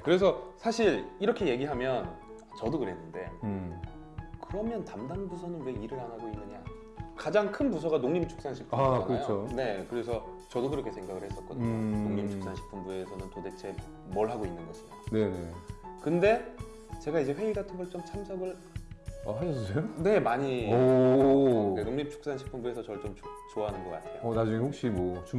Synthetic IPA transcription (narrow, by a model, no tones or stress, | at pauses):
kɯɾe̞sʰʌsʰaɕʰiɾiɾʌkʰe̞je̞ɡiɦamjʌn | t͡ɕʌdokɯɾe̞nːɯnde̞̰ | kɯɾʌmjʌntamdanbusʰʌnɯnwe̞iɾɯɭanɦaɡoinːɯɲa̰ | kad͡ʑaŋkʰɯnbus̬ʰʌɡanoŋɲimt͡ɕʰu̥k̚s͈anɕʰipʰakɯt͡ɕʰone̞kɯɾe̞s̬ʰʌ | t͡ɕʌdokɯɾʌkʰe̞sʰe̞ŋɡaɡɯɭhe̞s͈ʌt̚k͈ʌdɯɲɲonnoŋɲimt͡ɕʰuk̚s͈anɕʰi̥pʰɯnbue̞sʰʌnɯntode̞t͡ɕʰe̞ | mʌɭɦaɡoinːɯnɡʌɕʰione̞ne̞kɯnde̞ | t͡ɕe̞ɡaid͡ʑe̞ɸwe̞iɡatʰɯbɯɭt͡ɕomt͡ɕʰamsʰʌɡɯɭ | aɦaɕʰʌssejone̞maɲiʌ | enoŋɲip̚t͡ɕʰu̥k̚s͈anɕʰi̥kpʰɯmbue̞sʰʌt͡ɕʌɭt͡ɕomt͡ɕt͡ɕoʌɦanɯnɡʌk͈a̰tʰe̞joʌnad͡ʑuŋehok̚ɕ͈imwʌt͡ɕu